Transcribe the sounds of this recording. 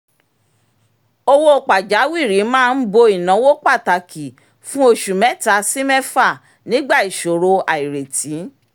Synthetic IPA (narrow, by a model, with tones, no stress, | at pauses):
o˧wo˦o˧˨k͡pa˨d͡ʒa˨˦wi˦˨ɾi˨˦mãː˦˧n̩˦bo˧i˨nã˨˦wo˦k͡pa˦˨ta˨ki˨ | fũ˦o˧ʃu˨mɛ̃˨˦ta˨˧si˦mɛ˦fa˦˨ | nĩ˨˦ɡ͡ba˦˨i˨ʃo˨ɾo˧a˨i˨ɾe˨tĩ˨˦